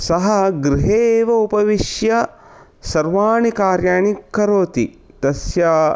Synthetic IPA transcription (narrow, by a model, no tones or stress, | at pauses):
sɐɦɐɡɾɪɦeːʋɐupɐʋiʃjɐ | sɐɾʋaːɳikaːɾjaːnikːɐɾoːt̪i | t̪ɐsjaː